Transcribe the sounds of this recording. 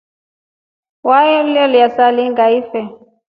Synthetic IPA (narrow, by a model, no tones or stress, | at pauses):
wajɔliɔliasaliŋɡaifɛ